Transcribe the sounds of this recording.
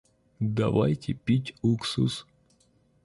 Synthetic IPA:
d̪ɐva̰jtʲɪpʲitʲuksus

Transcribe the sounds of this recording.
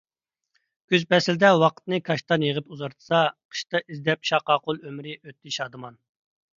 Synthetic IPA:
ɡ̥ʲyzbɛsɪld̪ɛwɑqʰə̥t̪nɨkʰɑʃt̪ɑnjəʁəpuzɑɾt̪ʰɨ̥sɑqʰə̥ʃt̪ɑʔizd̪ɛpʃɑqɑːqolˠømɾɪʔøt̪ʰːɪʃɑːd̪ɨmɑn

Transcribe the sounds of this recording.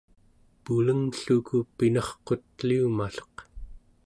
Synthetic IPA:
puləŋɬukupinɑχqo̞t̪̚liumaɬo̥q

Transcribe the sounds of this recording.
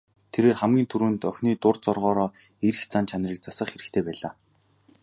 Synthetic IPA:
t̪ʰeɾeːrχæmɡʲiːnt̪ʰuɾɘ̆ːnt̪œxʲniːt̪ʊrt͡sɔrʁɔːɾɔː | eɾɘ̆xt͡sant͡ɕʰanriːk̚t͡sasə̆χxeɾɘ̆xt̪ʰeːpæːɮaː

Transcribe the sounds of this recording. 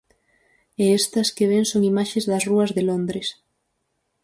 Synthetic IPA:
eɛst̪ɐskeβ̞eŋsoŋimaʃezðɐsruɐzðelond̪ɾes

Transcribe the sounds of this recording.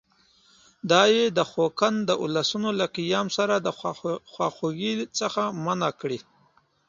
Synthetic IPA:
d̪ɑjed̪əxokand̪əʔulasunolaqijɑmsaɾad̪əxwɑxuɡit͡səxamanakɽi

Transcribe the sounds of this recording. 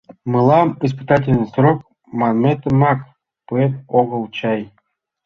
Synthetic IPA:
mɨlˠɑmis̬pɨt̪ɑtʲɪlʲnɨjsɾok̚ | mɑnmʲet̪ɘ̆mɑk | poet̪̚oɣɤ̆lˠt͡ɕɑj

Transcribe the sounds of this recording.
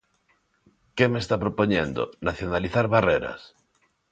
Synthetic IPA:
kemest̪apɾopoɲẽnd̪o̰naθjonaliθaɾβareɾa̰s

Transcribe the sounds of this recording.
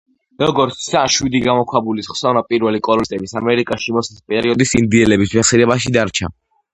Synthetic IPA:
ɾɔɡɔɾt̪ssaʃwid̪iɡamɔkʰwabulisχsɔvnapʼiɾwɛlikʼɔɾɔt̪ʼɛbisamɛɾikʼaʃimɔsispʼɛɾiɔd̪isind̪iɛlɛbismɛχsiɾɛbaʃid̪aɾt͡ʃʰa̰

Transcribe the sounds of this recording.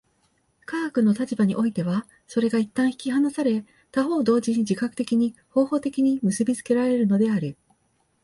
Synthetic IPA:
kaːkɯ̟no̞t̪at͡ɕibaɲ̟ḭʔo̞it̪e̞βa | so̞ɾe̞ɡait̪ːãɰ̃çi̥kʲiɦanasaɾe̞ | t̪aɦo̞ːd̪o̞ːʑiɲ̟id͡ʑikakɯ̥t̪e̞kʲiɲ̟iho̞ːho̞ːt̪e̞kʲiɲ̟imɯ̟sɨbʲit͡sɨ̥ke̞ɾaɾe̞ɾɯ̟no̞d̪e̞aɾɯ̟

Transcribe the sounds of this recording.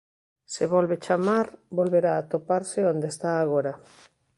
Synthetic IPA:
seβolβe̞t͡ʃamaɾbo̞lβe̞ɾaːt̪o̞paɾseond̪est̪aːɣ̞oɾa

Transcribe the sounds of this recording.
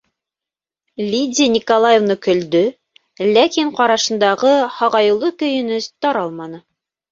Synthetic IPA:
lʲidʲinʲikolˠajevnɤkɵ̆ld̪ɵ | lækiɴqɒɾɑʃɤ̆nd̪ɑʁɤhɑʁɑjɤ̆lˠɤkɵ̆jɵ̆nɵst̪ɑɾɑlˠmɑnɤ

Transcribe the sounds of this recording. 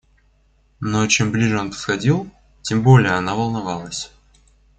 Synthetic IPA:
not͡ɕemblʲiʐɨo̞npə̥sxɐdʲilˠ | tʲembo̞lʲɪjəɐnavəlˠnɐvɑlˠəsʲ

